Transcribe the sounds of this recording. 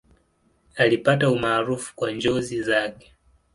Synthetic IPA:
alipataumaːɾufu̥kwaɲd͡ʒɔzizakɛ̥

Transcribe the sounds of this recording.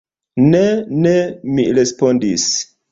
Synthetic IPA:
nenemiɾe̞spo̞ndis

